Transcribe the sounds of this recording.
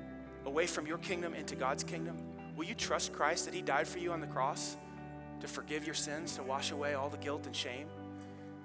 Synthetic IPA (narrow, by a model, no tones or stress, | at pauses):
əweɪfɹʌ̃mjə˞kʰɪ̃ŋdɨ̃mɪ̃ntʉɡɑdz̥kʰɪ̃ŋdə̃m | wɪlˠjɨtʰɹ̥ʌstkʰɹ̥aɪst̪̚ðɨt̚hidaɪd̥fə˞jɨə̃nðɨkʰɹ̥ɔs | tʰɨfə˞ɡɪvjə˞sɪ̃nz̥tʰəwɑʃəweɪɔlˠðəɡɪlˠtɨ̃nʃẽɪ̃m